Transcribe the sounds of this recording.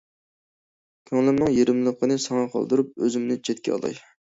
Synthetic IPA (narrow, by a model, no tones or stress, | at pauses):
kʲʰøŋlɪnɨŋjeɾɪmlˠəqʰːənɨsɑŋɑqʰɑ̰lˠd̪ɨɾup̚øzɪmnɪt͡ʃʰet̪kʲɛ̰ɑ̰lˠɑ̰j